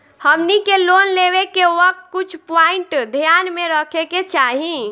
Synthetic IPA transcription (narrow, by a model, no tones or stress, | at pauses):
həmnikeloːnleʋekeʋək̚t̪̚kʊt͡ʃʰpaiɳʈd̪ʱjaːnmẽɾəkʰeket͡ʃaɦi